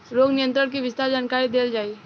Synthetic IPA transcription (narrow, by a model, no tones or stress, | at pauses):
ɾoːɡnijə̃nt̪ɾəɽk̬iʋɪst̪aɾd͡ʒaːnkaɾid̪eld͡ʒaːi